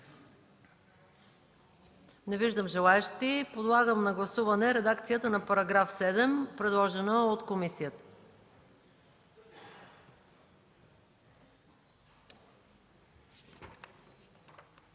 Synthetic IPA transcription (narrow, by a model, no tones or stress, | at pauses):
nɛviʒd̪əmʒɛlˠaɛʃt̪ipod̪lˠaɡəmnɐɡlˠɐsuvɐnɛɾɛd̪akt̪sijət̪ənɐpɐɾɐɡɾafsɛd̪ɛmpɾɛd̪lˠɔʒɛnəot̪komisijət̪ə̥